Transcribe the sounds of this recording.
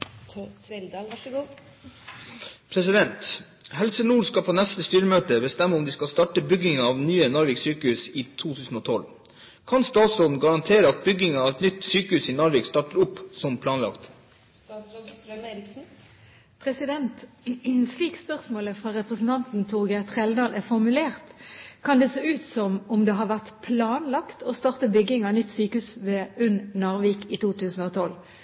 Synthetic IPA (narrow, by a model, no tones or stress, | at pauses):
ld̪ɡ | pʰɾɛsɪd̪ɛnt̪ | hɛlsənuːɾskɑpʰoːnɛst̪əst̪yːɾəmøːt̪əbəst̪ɛmːəʊmd̪iskɑlst̪ɑːʈəbʏɡɪŋɑɑːʋnyːənɔɾʋɪːɡsyːkəhʉːsiːt̪ʰuːt̪ʰʉːsn̩oːt̪ʰɔl | kʰɑnst̪ɑːt̪sɔd̪n̩ɡɑɾɑnt̪ʰeːɾəɑt̪̚bʏɡɪŋɑɑːʋɛt̪nʏt̪syːkəhʉːsiːnʊɾʋeːɡst̪ɑːʈəɾʊpːsɔmpʰlɑːnlɑ̰kt̪ | pʰʁɛsɪd̪ɛnt̪sliːkspœʁsmoːləfʁɑɾɛpʁɛsn̩t̪ʰɑnt̪n̩t̪ʰuːɡɛt̪χɛld̪ɑːlʔæfɔʁmʉleːʁt̪kʰɑnd̪ɛseːʉːt̪sɔmɔmd̪ɛːɦɑʁʋæʁt̪pʰlɑːnlɑkt̪ʰɔst̪ɑːʁt̪əbʏɡːɪŋɑnʏt̪ːsyːkəʉːsʋɛʉnːɑːʁʋiːkit̪ʰuːt̪ʰʉːsn̩oːt̪ʰɔl